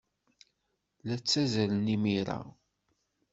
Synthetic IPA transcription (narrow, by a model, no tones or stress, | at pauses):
læt͡sːæzælənimiɾa̰